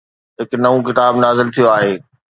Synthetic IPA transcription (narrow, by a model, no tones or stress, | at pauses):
ɦɪknɐʋũkɪt̪aːbnaːzɪlt̪ʰijoaːɦeː